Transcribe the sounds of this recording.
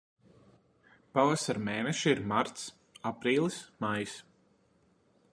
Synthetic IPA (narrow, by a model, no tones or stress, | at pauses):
pavasaɾmeːnɛʃiiɾmaɾt̪s | apɾiːlˠismajs